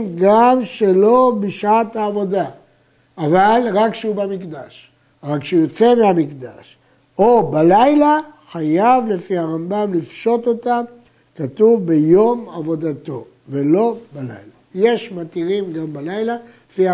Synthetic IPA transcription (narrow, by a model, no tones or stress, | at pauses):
ɡamʃe̞lo̞biʃaat̪aːvo̞d̪aː | valʁakʃeubamikd̪aʃ | ʁakʃeujot͡se̞meamikd̪a̰ʃ | o̞balajlaχajavle̞fiaʁambamlifʃo̞t̪o̞t̪am | kat̪uvbe̞jo̞mavo̞d̪at̪o̞ | ve̞lo̞bala̰jlaje̞ʃmat̪iʁimɡambalajla | efia